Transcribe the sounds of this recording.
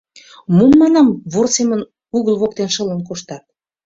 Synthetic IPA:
mumːɑnɑmβorsemən | uɣəlβok̚t̪enʃə̆lənkoʃt̪ɑt̪̚

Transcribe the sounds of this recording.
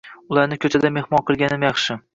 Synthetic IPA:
ʊlˠaɾnɪkʲʰɵt͡ʃʰad̪ame̞hmɒnqʰɨlˠɡʲanɪmjɑχʃɪ

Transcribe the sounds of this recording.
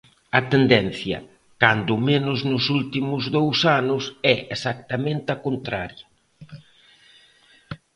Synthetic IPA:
ɐt̪end̪ɛn̟θjɐ̰ | kand̪ʊmenʊznʊsult̪imʊzðowsanʊsɛesak̚t̪ɐmẽnt̪ɪɐkont̪ɾaɾjɐ

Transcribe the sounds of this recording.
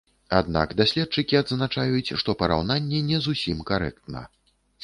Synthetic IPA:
a̰d̪na̰kd̪asʲlʲɛt̪̚t͡ʂɨkʲiad̪znat͡ʂajut͡sʲʂt̪ɔpɐɾa̰wnanʲːɛnʲɛzusʲimkaɾɛ̰k̚t̪nɐ̰

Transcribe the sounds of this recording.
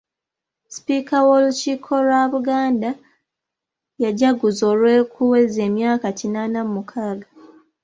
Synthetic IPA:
spiːkawo̞luciːkʰo̞lwaβuɡaːnda | jaɟaɡuzo̞ːlwe̞ːkʰuweze̞ːmjaːkacinanamumukʰaːɡa

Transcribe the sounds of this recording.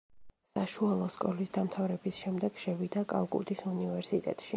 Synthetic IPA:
saʃualˠɔskʼɔlisd̪amt̪ʰavɾɛbisʃɛmd̪ɛɡ̥ʃɛvid̪akʼa̰lˠkʼṵd̪isunivɛɾsit̪ʼɛ̰t̪ʼʃi

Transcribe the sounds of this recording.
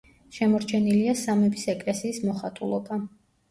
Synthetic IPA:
ʃɛmɔɾt͡ʃʰɛniliasamɛbisɛkʼlɛsiːsmɔχat̪ʼṵlˠɔba

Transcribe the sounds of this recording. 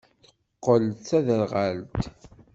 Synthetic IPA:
θə̥qqːəlt͡sæðəlʁalt̪

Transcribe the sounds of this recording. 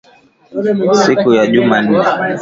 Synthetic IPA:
sikujaʄuman̩ːɛ

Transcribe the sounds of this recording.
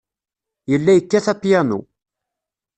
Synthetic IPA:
jəlːæjəkːæθɑt̪ːjænṵ

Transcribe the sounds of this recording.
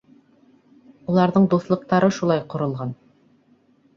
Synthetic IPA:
ulˠɑɾðɤɴd̪uθlˠɤ̆q̚t̪ɑɾɤʃulˠɑjqŏɾɤ̆lˠʁɑn

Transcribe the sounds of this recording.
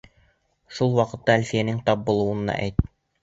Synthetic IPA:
ʃulˠwɑqɤ̆t̪ːɑælfijænɘŋt̪ɑp̚bŭlˠɤ̆wɤ̆nːɑ̰ʔæ̰jt̪

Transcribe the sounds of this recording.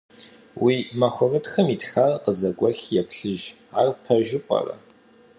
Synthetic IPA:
wiːmɐxʷʊrɨtxɐmitxarqəzɐkʷʼɔɬjɛpɬɨʒ | aːrpʰɐʒɪpʼɐ̰rɐ̰

